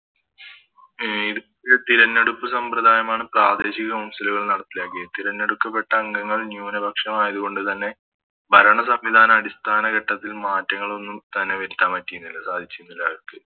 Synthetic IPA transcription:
iðu | et̪iɾɐnːeɽupːɨsɐmprɐd̪ʱaːjɐmaːɳɨpraːd̪e̞ːɕiɣɐmumsɐluɣɐɭnɐɽɐt̪ːilaːkːijt̪iɾɐnːeɽukːɐpːe̞ʈːɐːŋɡɐŋːɐɭnjuːnɐbʱɐkʂɐmaːjɐðuɣo̞ɳɖɨt̪ɐnːe̞ | bʱɐɾɐɳɐsɐmʋid̪ʱaːnɐmɐɽist̪ʰaːnɐɣɐʈːɐt̪ːilmaːtːɐŋːɐɭo̞nːumt̪ɐnːe̞ʋɐɾut̪ːaːmːɐtːijunːiilːɐsaːd̪ʱit͡ɕːujunːilːɐɐrkɨ

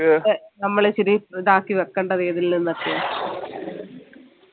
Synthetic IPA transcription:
enɐmːɐɭet͡ɕiɾid̪aːkːiʋekːɐɳɖɐðeːðilnenːɐrk̪ːijaː

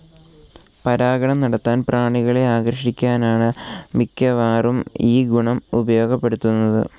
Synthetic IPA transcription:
pɐɾaːɡɐɳɐmnɐɽɐt̪ːaːnpraːɳiɣɐɭe̞aːɡɾrɐʂikʲːaːnaːɳɨmikʲːɐʋaːrumiːɡuɳɐmubɐjo̞ːɡɐpːe̞ɽut̪ːunːɐðɨ̰

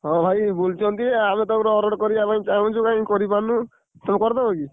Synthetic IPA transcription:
ɦɔ̃bʱajbolt͡ʃʰɔnt̪iamet̪ɔkɾɔɔɾɔɽkɔɾiapaĩt͡ʃaɦũt͡ʃʰukaĩkɔɾipanũ | t̪ɔmkɔɾt̪ɔbɔɡi

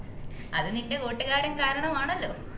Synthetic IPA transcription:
ɐðɨninde̞ko̞ːʈːɨɣaːɾɐmkaːɾɐɳɐmaːɳɐlːo̞̰ː

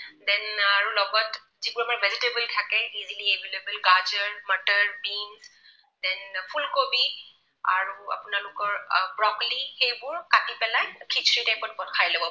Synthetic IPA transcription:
dɛnaɹulɔɡɔt | zibuɹamaɹbʱɛzitebəltʰakɛiziliebʱelebəlɡad͡ʒəɹmətəɹbins | dɛnpʰulkobi | a̰ɹua̰pʊnalʊkɔɹbɹɔklixejbʊɹkatipɛlajkʰit͡ʃʰɹitajpɔtbɔtkʰajlɔbɔ

